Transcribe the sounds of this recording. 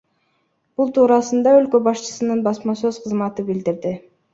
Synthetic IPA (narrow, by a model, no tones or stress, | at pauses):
b̥ulˠt̪ʰuːɾɑsɯnd̪ɑølkø̞bɑʃt͡ʃɯ̥sɯnɯnbɑsmɑsø̞z̥qʰɯzmɑt̪ɯbild̪iɾd̪ɪ